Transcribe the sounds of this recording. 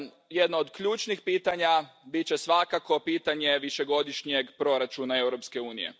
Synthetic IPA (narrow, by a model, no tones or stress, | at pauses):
jed̪nood̪kʎuːt͡ʃnixpiːt̪aɲabit͡ɕe̞sʋakako̞piːt̪aɲe̞ʋiʃe̞ɡo̞d̪iʃɲeɡpɾo̞ɾat͡ʃunae̞wɾo̞pske̞uːnijḛ